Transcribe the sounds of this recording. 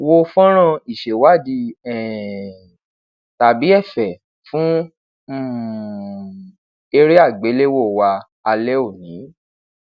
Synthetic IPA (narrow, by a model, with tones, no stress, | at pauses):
wo˧fɔ̃˦ɾ̃ã˦˧˨i˨ʃe˨wa˦˨di˧˦ɛ˨ | ta˨bi˨˦ɛ˦˨fɛ˨ | fũ˦ | m̩˨ | e˧ɾe˦a˦˨ɡ͡be˨˦le˦wo˦˨wa˧ | a˧lɛ˦o˦˨nĩ˨˦